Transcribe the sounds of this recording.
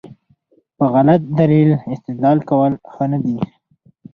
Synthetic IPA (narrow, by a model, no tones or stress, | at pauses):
pəɣalat̪̚d̪alilɪst̪ɪd̪lɑlkawəlxənad̪i